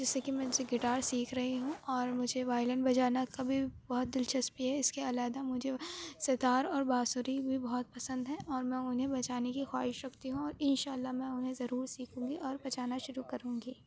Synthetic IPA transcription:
d͡ʒɪsːekimɛ̃ʊseɡɪʈaːɾsiːkʰɾɐɦiɦũɔːɾmʊd͡ʒʱeʋaːɪlə̃ɳbɐd͡ʒaːnakabʱibɔːʊt̪̚d̪ɪlt͡ʃɐspiɦɛɪskeɐlaːd̪amʊd͡ʒʱeset̪aːɾɔːɾbaːsʊɾibʱibɔɦɔt̪̚pɐsə̃nd̪ɦɛ̃ʔɔːɾmɛ̃ʊnɦẽbɐt͡ʃaːnekixwa̰ːɦɪʃɾɐkt̪iɦũɔːɾɪnʃaːlːamɛ̃ʊnɦẽzɐɾuːɾsiːkʰũ̆ːɡiʔɔːɾbɐt͡ʃaːnaʃʊɾukɐɾũːŋɡiː

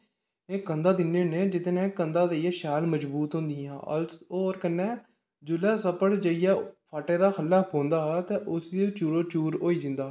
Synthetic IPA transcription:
eːkənd̪aːd̪ɪnːenẽːd͡ʒɪt̪neːkənd̪aːd̪əijaːʃaːlməd͡ʒbuːt̪ɦõːnd̪iːãːʔoːɾkənːɛː | d͡ʒʊlɛːsəpəɽd͡ʒəɪjaːpʰaːʈeːɾaːkʰəlːaːpɦõːnd̪aːɦt̪eːʔʊsd̪et͡ʃuːɾoːt͡ʃuːɾoːiːd͡ʒɪnd̪aː

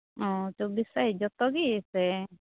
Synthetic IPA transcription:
ɔ̃t͡ʃobisaɦid͡ʒɔt̪ɔɡisɛ

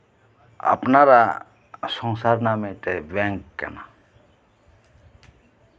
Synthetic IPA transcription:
a̰pnaɾa | sɔ̃ŋsaːɾnamẽʈ̪eʋɛ̃ːŋkkːɛ̰na

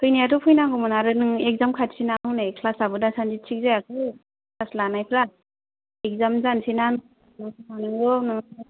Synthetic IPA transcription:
tʰɯjnijatɔpʰujnaɦɯmɯnaɾɯnɯŋek̚zamkʰatsinaɦɯwnekʰlasabɯdasanzit͡ʃʰik̚zajakʰɯ | kʰlaslanajpʰɾa | ek̚zamzansinan | nɯmanɯŋɡɔnɯŋ

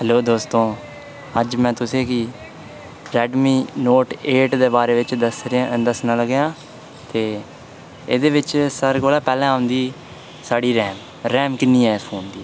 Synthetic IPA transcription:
ɦəloːd̪oːst̪õː | əd͡ʒmɛ̃ːt̪ʊsẽːkɪː | ɾɛːɖmiːnoːʈeːʈd̪eːbaːɾeːʋɪt͡ʃd̪əsɾd̪əsnaːləɡejãː | t̪eː | eːd̪eːʋɪt͡ʃsəɾɡoːlaːpɛːlɛ̃ːaːʊnd̪iː | saːɽiːɾɛːm | ɾɛːmkɪnːĩːɛːpʰoːnd̪iː

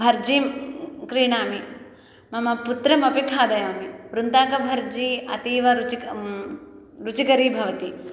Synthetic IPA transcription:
bʱɐɾd͡ʒikɾiːɳaːmi | mɐmɐput̪ɾɐmɐpikʰaːd̪ɐjaːmiɾunt̪aːkɐbʱɐɾd͡ʒiɐt̪iːʋɐɾut͡ʃi | ɾut͡ʃikɐɾibʱɐʋɐt̪i

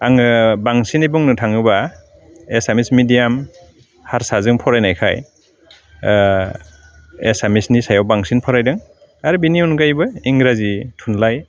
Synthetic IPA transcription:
aŋɯbaŋsinibuŋnɯtʰaŋɯba | esamismidijam | haɾsazɯŋpʰɔɾajnajkʰa̰j | ḛsamisnisajawbaŋsinpʰɔɾajdɯŋ | aɾɯbiniunɡajbɯiŋɾazitʰunlaj

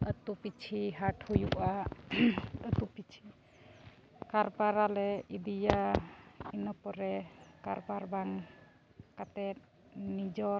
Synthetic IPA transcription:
ət̪upit͡ʃʰiɦaʈhujuʔa | ət̪upit͡ʃʰi | kaɾpaɾalɛid̪ija | inɔpɔɾɛkaɾbaɾbaŋ | kat̪ɛt̪̚ | nid͡ʒɔ

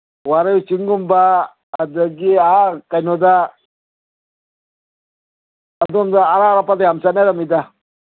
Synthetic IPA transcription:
waɾajit͡ʃiŋɡumbaː | d̪əɡiakanoda | adumdaːɾaːɾapad̪ajamsanadamid̪a

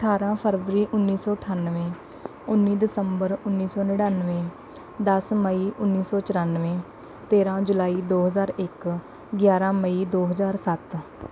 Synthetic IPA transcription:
əʈʰaːɾãːpʰəɾʋəɾiːʔʊnːiːsɔːəʈʰaːnʋẽː | ʊnːiːd̪ɪsəmbəɾʊnːiːsɔːnəɽãːnʋẽː | d̪əsməiːʔʊnːiːsɔːt͡ʃəɾaːnʋẽː | t̪eːɾãːd͡ʒʊlaːiːd̪oːɦəzaːɾɪk | ɡjaːɾãːməiːd̪oːɦəzaːɾsət̪

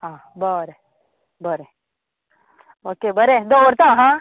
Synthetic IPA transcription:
ãː | bəɾe | bəɾe | oːkebəɾed̪oʋəɾt̪ãɦã

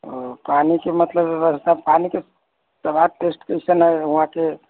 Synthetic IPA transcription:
panikemət̪ləbbəst̪apanike | səbʱaʈesʈkəɪsənɦəjuɦãke

